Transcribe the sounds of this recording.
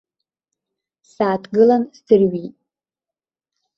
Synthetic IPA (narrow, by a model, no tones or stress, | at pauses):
saːtʰɡɨlanstɨrɥitʼ